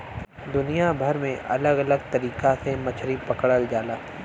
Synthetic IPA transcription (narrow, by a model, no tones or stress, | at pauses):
d̪ʊnijabʱɐɾmẽʔɐ̰ləɡɐləɡt̪ɐɾiːkasemɐt͡ʃʰɾipɐkɽəld͡ʒaːlaː